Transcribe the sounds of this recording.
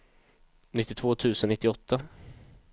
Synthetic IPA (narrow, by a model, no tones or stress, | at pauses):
nɪt̪ːɪt̪ʰv̥oːt̪ʰʉ̟ːsənɪt̪ːɪɔt̪ʰːa